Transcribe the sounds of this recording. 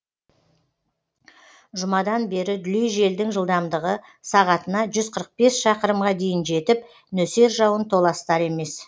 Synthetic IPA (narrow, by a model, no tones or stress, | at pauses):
ʒʊmɑd̪ɑnbe̞ɾɪd̪ʏlijʒe̞ld̪ɪŋʒəlˠd̪ɑmd̪əʁə | sɑʁɑt̪ənɑʒʏzqʰəɾəq̚be̞sʃɑqəɾəmʁɑd̪e̞jɪnʒe̞t̪ɪp | nɵse̞ɾʒɑwənt̪ʰo̞lˠɑst̪ɑɾe̞me̞s